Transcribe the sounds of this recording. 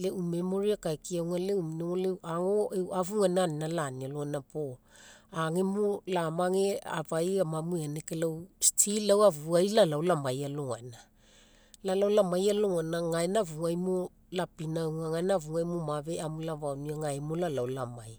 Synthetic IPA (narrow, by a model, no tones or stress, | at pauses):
le̞ume̞mo̞ɾiakajkiawŋale̞uminoŋole̞wʔaŋo̞ewavuŋananinalanialoŋanapo̞aŋemolamaŋe̞a̰vajamamueane̞kelawstʰilawavuajlalawlamajaloŋana | lalawlamajaloŋanaŋaenavuŋajmo | lapinawŋaŋanaavuŋajmomaβe̞amulaβawniaŋaemolalawlama̰j